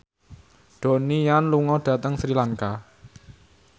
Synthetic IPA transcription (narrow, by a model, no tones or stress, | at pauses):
ɖ̪̥o̤nijanluŋɔɖ̥ä̤t̪əŋsɾilaŋka